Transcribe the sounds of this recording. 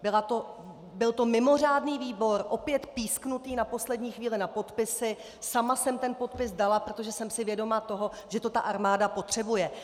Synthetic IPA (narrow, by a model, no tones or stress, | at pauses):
bɪlat̪o | bɪlt̪o̞mɪmo̞r̝aːdniːviːbo̞ɾʔo̞pjɛt̪piːsknut̪iːnapo̞slɛdɲiːxviːlɪnapo̞t̪pɪsɪ | samasɛmt̪ɛnpo̞t̪̚pɪsdalapɾo̞t̪o̞ʒɛsɛmsɪvjɛdo̞mat̪o̞ɦo̞ | ʒ̥ɛt̪o̞t̪aʔaɾmaːdapo̞t̪r̝̥ɛbujɛ